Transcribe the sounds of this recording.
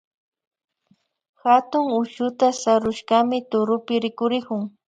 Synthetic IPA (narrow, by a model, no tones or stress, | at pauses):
xat̪ʊŋʊʃʊt̪asaɾʊʃɢamɪt̪ʊɾʊpɪɾɪkʊɾɪkʊŋ